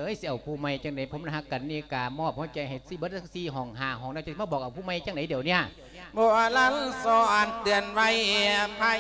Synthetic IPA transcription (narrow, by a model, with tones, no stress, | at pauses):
ʔɤː˧˥˨jsi˧˨ʔa˨˩wpʰuː˧˩ma˧˩jt͡ɕaː˧˩ŋda˨˦jpʰo˧˦mda˧˩ha˧kːa˨nːi˧˩˨kaː˨˩mɔː˧˩p̚hɔː˧˩t͡ɕa˨˩jɦa˨˩jsi˧˩bɤ˧˥t̪̚ʰa˧siː˧˩ɦɔː˨˩ŋɦaː˧˩ɦɔː˨˩ŋna˧˩˨a˧˩˦maː˧˥˩bɔː˨˩k̚ʔa˨˩wpʰuː˧˩˨ma˧˨jt͡ɕa˧˩ŋda˨˦jdiː˨˩əwni˧˩ə | bɔː˧ʔa˧˩laː˧˨n˨˧sɔː˧˦ʔa˨˩nt̪ɯ˨˩ənwa˧jʔe˧˩pʰa˧